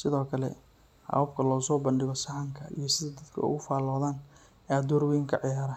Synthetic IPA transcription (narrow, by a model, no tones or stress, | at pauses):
sɪðɔːkʰɐlɛ̰ | hɐ̰βɐb̚kʰɐlɔːsɔːbɐnɖɪɣɔsɐħɑŋkʰɐʔḭjɞsɪðɐd̪ɐd̪kʰɐ̰ʊ̰ɣʊfaːlɔːðaːn | ɛd̪ɔːrwɛjɪŋkʰɐʕɪjaːɾɐ